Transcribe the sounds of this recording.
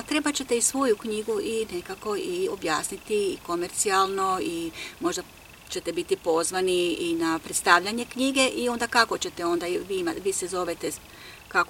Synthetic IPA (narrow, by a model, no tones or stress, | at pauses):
t̪ɾe̞bat͡ɕe̞t̪e̞isʋo̞jukɲiɡuʔine̞kako̞io̞̰bjaːsnit̪iːko̞me̞ɾt̪sialˠno̞imo̞ʒd̪a | t͡ɕe̞t̪ebit̪ipo̞zʋaniinapɾet̪st̪aʋʎaɲe̞kɲiɡe̞ʔio̞nd̪akako̞t͡ɕe̞t̪eo̞nd̪aʋimaʋiːsezo̞ʋet̪e | kak